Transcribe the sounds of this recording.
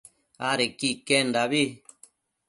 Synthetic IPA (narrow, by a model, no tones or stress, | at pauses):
aɾekikend̪aβi